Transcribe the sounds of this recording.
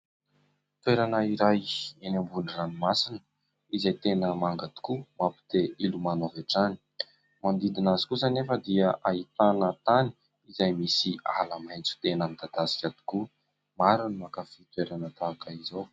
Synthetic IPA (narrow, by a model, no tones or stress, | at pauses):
t̪weɾanəiɾajenambuniranimasinə | izajt̪enəmaŋɡat̪i̥kumapi̥t̪eilumanaveʈ͡ʂani̥ | mand̪id̪inazi̥kusanefəd̪iəʔait̪anət̪ani̥ | izajmisia̰ləmajnt͡su̥t̪enamid̪ad̪asi̥kʲat̪i̥ku | maɾunmakafit̪weɾanət̪aːkəizow